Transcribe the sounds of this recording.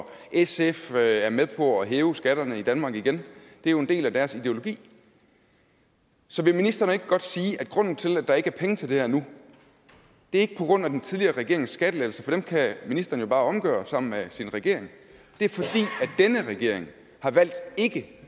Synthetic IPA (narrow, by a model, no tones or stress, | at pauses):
ʔeseføæɐmeðˠpʰɒ̽ɒɦeːʊsɡ̥æɾ̥ɐnəid̥ænmɑ̈ɡ̥iɡ̥end̥e̝æɐjo̝e̝nde̝̰ːlæd̥æɐsid̥e̝o̝lo̝ɡ̥ḭː | sɒ̽ʋe̝minisd̥ʁɐnəe̝ɡ̥əɡ̥ɒ̽d̥siːʔæd̥ɡ̥ʁɔ̽n̰n̩t͡sʰe̝læd̥ɑ̈e̝ɡ̥əæɐpʰeŋət͡sʰe̝ld̥e̝hæɐ̰nu | d̥e̝ɐe̝ɡ̥ə̥pʰɒ̽ɡ̥ʁɔ̽n̰æd̥ent͡sʰiðˠliɐːʁɛɡe̝̰ɐeŋsːɡ̥æd̥əlelsɐfɒ̽d̥emkʰæminisd̥ʁɐn̩jo̝b̥ɑ̈ːɒ̽mɡ̥ɶ̰ːɐsɑ̈m̰n̩mesinʁɛɡ̥e̝̰ɐ̰e̝ŋ | d̥e̝æɐfɒ̽d̥ḭːæd̥enəʁɛɡ̥e̝ɐ̰e̝ŋ | hɑ̈ʋæl̰d̥e̝ɡ̥ə